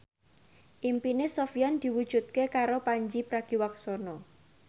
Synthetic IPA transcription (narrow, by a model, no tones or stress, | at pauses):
ʔimpinesɔfijand̪̥i̤wud̥ʒ̥ut̪̚kekaɾopaɲd͡ʒipɾaɡ̥i̤waksɔnɔ